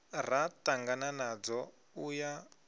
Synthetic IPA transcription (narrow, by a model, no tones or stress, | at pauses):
r̤ataŋɡananad͡zɔ | uja